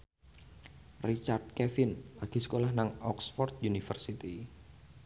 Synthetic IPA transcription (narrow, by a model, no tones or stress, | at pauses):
rit͡ʃart̪̚kɛfɪnlaɡ̥isə̥kolahnaŋɔksfɔrt̪̚unifərsit̪i